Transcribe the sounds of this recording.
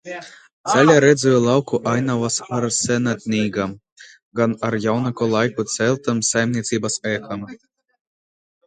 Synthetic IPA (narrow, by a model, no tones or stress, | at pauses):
t̪z̥ʲælʲaɾɛd̪zujɛlˠawkuʔajnavasaɾsɛnat̪̚ʲnʲiːɡam | ɡanaɾjawnakɔlˠajkut̪sʲɛlʲt̪ɨmsajmʲnʲiɛt̪sʲiːbasɛːxam